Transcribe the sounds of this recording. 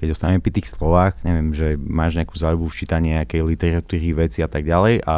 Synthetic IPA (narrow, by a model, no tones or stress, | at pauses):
kɛɟɔst̪anɛmɛpɾit̪iːxslɔʋaːɣɲɛʋɪɛmʒɛmaːʒɲɛakuːzaːjubuft͡ʃiːt̪aɲɪɲɛakɛjlit̪ɛɾat̪uːɾiʋɛt͡siat̪aɡɟalɛjʔa